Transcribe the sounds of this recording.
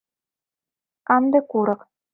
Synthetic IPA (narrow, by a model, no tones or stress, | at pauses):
kɑnd̪ɤ̆kuɾɤ̆q